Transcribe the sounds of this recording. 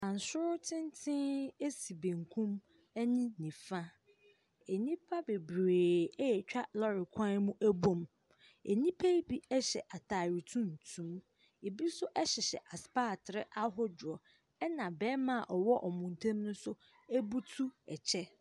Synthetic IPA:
ã˨n̩˨sʊ˦ɾtʰɪ̃˦n˦tʰɪ̃˦e˦si˨bẽ˨ŋkʰũ˦m | ɛ˦nĩ˦nĩ˨fã˦ | e˨nĩ˦pʰa˦be˨bɾeː˨ɛ˦jɛ˨t͡ɕᶣa˦lɔ˦ɾɪ˨kʷʰã˦mũ˦ʔæ˦bõ˦m | e˨nĩ˦pʰa˦bi˦ɛ˦ɕɛ̰˨ʔa˨tʰa˨ɾi˨tʰũ˦n̩˨tʰũ˦m | e˨bi˦sʊ˦ʔɛ˦ɕɛ˨ɕɛ̰˨ʔa˨spaː˦˨tʰɾɪ˦ʔa˦ɦʊ˦d͡ʑʊ˨ɔ˨ | ɛ˦nã˨bɛː˦mã˦˨ʔɔ˨wɔ˦ʔɔ˨mũ˨n˨tʰẽ˦mnʊ̃˦sʊ˦ | æ˦bu˦tʰu˦ɛ̰˨t͡ɕʰɛ˦

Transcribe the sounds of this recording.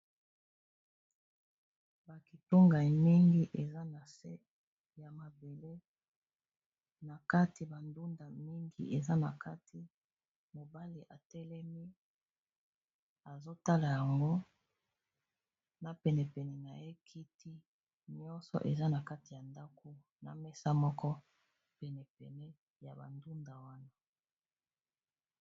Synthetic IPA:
ba˨ki˨to˦ŋɡa˨i˨mi˦ŋɡi˦ʔe˨za˦na˨se˦ | ja˨ma˨be˨le˦ | na˨ka˦ti˨ba˨ndu˦nda˨mi˦ŋɡḭ˦ʔe˨za˦na˨kʰa˦tʰi˨ | mo˨ba˦li˨ʔa˨tɛ˦lɛ˦mi˦ | a˨zo˦ta˦la˨ja˨ŋɡo˦ | na˨pɛ˨nɛ˨pɛ˨nɛ˨na˨je˦kʰi˦ti˦ | ɲɔ˦nsɔ̰˨ʔe˨za˦na˨ka˦ti˨ja˨nda˦ko˨ | na̰˨mɛ˦sa˦mɔ˦kɔ˦ | pɛ˨nɛ˨pɛ˨nɛ˦ | ja̰˨ba̰˨ndu˦nda˨wa˦na˦

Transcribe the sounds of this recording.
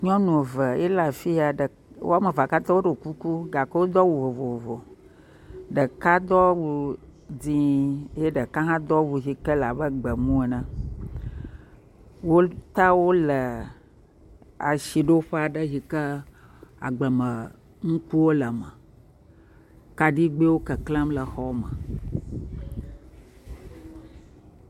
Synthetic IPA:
ɲɔ̃˦nũ˨və˨ḛ˦la˨fi˦a˨ɖə˨ | wo˦a˦mə˨va˨ka˦t̪ɔ˦wo˦ɖo˨ku˦ku˦ɡa˨kə˦wo˦d̪ɔ˦wu˨vo˨vo˨o˨vo˨ | ɖə˨ka˦d̪ɔ˦wu˨d͡zĩ˦je˦ɖə˨kã˦ɦã˦d̪ɔ˦wu˨ɦi˨kə˦la˨bə˦ɡ͡bə˨mũ˦e˨nə̃˨ | wo˦t̪a˦wo˦lə˨ | a̰˨ʃi˨ɖo˦ɸa˨ɖə˦ɦi˨kə˦ | a̰˨ɡ͡bə˨mə˨ | ŋũ˦ku˦wo˦lə˨mə̃˨ | ka˨ɖi˦ɡ͡be˦wo˦kə˨klə̃˦mlə˨xɔ˦mə̰̃˨

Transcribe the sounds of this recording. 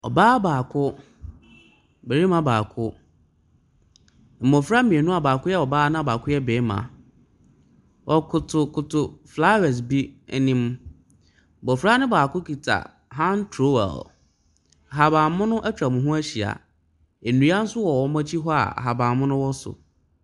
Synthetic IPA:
ɔ̰˨baː˦baː˨kʰʊ˦ | be˨ɾi˦mã˦baː˨kʰʊ˦ | m̩˨mɔ̃˨fɾa˦mĩ˨e˨nũ˦a˨baː˨kʊ˦jɛ˦ɔ˨baː˦nã˦˨baː˨kʰʊ˦jɛ˦beː˨˦mã̰˨ | wʔɔ˨kʰʊ˨tʰʊ˨kʰʊ˨tʰʊ˨fla˦wɛ˨s̬bi˦˨nĩ˨m | bɔ˨fɾa˦nɪ̃˦baː˨kʊ˦kʰi˨tʰa̰˨ | ɦã˦ntʰɾo˦wɛ̰˨l | a˨ɦa˨bãː˨˦mʊ̃˦nʊ̃˦ʔæ˦t͡ɕᶣɾa˨mʊ̃˨ɦʊ̃˦æ˦ɕi˨a̰˨ | e˨nũ˨˦a˦n̩˦sʊ˦wɔ˨wɔ˦mã˦t͡ɕʰi˦ɦɔ˦a̰˨a̰˨ɦa˨bãː˨mʊ̃˦nʊ̃˦wɔ˦sʊ̰˨

